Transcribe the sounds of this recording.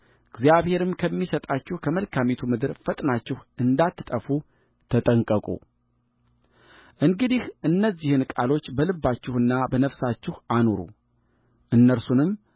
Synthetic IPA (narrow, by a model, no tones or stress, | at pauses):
ɨɡzjaβhe̞ɾɨmkʰəmːisət̪ʼat͡ʃːɪhkʰəməlkʰamit̪ʰumɨd̪ɨɾfət̪ʼnat͡ʃːɪhʔɨnd̪at̪ʰːɨt̪ʼəfu | t̪ʰət̪ʼəŋkʼəkʼṵ | ʔɨŋɡɨd̪ihʔɨnːəzːihɨnkʼalo̞t͡ʃːbəlɨbːat͡ʃːɪhɨnːabənəfsat͡ʃːɪhanoɾṵ | ʔɨnːəɾsunɨm